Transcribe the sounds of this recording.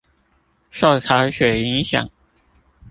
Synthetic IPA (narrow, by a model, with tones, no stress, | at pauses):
ʂɑ˥˩ʊkʰa˧˥ɕɥɛ˨˩i˧˥ŋɕjɑ̰˨˩˦ŋ